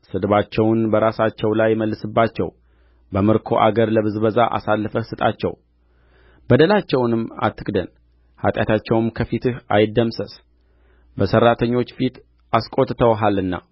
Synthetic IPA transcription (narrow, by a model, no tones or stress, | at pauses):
sɨd̪βat͡ʃːɛwʊnbəɾasat͡ʃːɛwlajːməlːɨsɨbːat͡ʃːɛ̰w | bəmɨɾkʰo̞̰ʔa̰ɡəɾləβɨzbəzaʔa̰salːɨfəsɨt̪ʼat͡ʃːɛ̰w | b̥əd̪əlat͡ʃːɛwnɨmːa̰t̪ʰːɨkʼd̪ən | ha̰t̪ʼjat̪ʰat͡ʃːɛwɨmkʰəfit̪ʰɨhajɪd̪ːəmsəs | bəsərːat̪ʰəɲːo̞t͡ʃːfit̪ | askʼo̞t̪ːt̪ʰəwɦalɨnːa̰